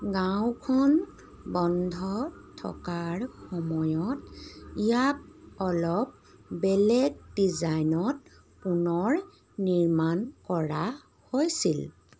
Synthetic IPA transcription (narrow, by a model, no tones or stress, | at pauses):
ɡawkʰɔn | bɔndʱɔtʰɔ̰kaɹxɔmɔjɔtijak̚ɔlɔp̚bɛlɛɡ̚dizajnɔt̚ | punɔɹ | niɹmankɔɹa | hojsil